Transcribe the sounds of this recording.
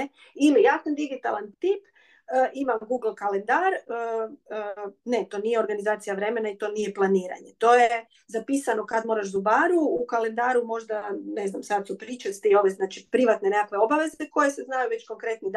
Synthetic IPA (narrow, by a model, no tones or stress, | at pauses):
e | ilijak̪and̪iɡit̪alant̪iːp | əʔimamɡuːɡl̩ˠkalend̪aɾə | ne̞t̪o̞ːnije̞o̞ɾɡanizaːt̪sijaʋɾe̞me̞nait̪o̞ːnije̞plˠaniːɾa̰ɲe̞t̪o̞je | zapiːsano̞kad̪mo̞ːɾaʃzubaːɾuukale̞nd̪aːɾumo̞ʒd̪ane̞znamsad̪supɾiːt͡ʃat̪io̞ʋe̞znat͡ʃipɾiʋat̪ne̞nekakʋe̞o̞baʋe̞zeko̞je̞seznajuʋe̞t͡ɕkoŋkɾe̞t̪nid̪